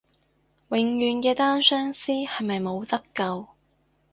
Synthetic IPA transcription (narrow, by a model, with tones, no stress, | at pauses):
wɪ˨˧ŋjyː˨˧nkɛː˧t̪aː˥nsœː˥ŋsiː˥hɐ˨jmɐ˨jmo˨˧wt̪ɐ˥kːɐ˧w